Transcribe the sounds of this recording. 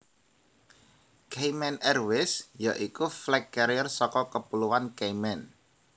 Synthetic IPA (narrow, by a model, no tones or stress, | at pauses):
kejmɛnɛrwɪsjaʔikuflɛkːɛɾjərsɔkɔkəpuluwankejmɛn